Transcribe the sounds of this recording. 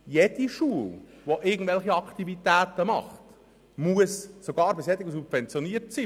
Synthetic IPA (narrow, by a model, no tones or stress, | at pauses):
jed̥iʃuːl | ʋoʔɪrɡən̩tvɛlχiɑkt̪ivit̪æːtəmɑ̰χt | muəssoɡɑːɾbɪsjɛd̪ɪɡəs̬ub̥vɛnt͡sjoniəɾtsiː